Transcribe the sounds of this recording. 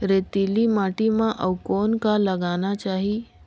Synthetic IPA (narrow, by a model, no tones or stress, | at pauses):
ɾet̪ilimaʈimãʔəwkonkaləɡanat͡ʃaɦi